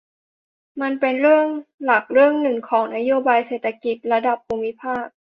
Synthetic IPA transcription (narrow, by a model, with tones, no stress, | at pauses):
ma˧npe˧nɾɯ˥˩əŋla˨˩k̚ɾɯ˥˩əŋnɯ˨˩ŋkʰɔː˩˦ŋna˧˥joː˧˥baː˧jseː˨˩t̪ʰːa˧ki˨˩t̪̚la˧da˨˩p̚ʰːuː˧mːi˦˥pʰaː˥˩k̚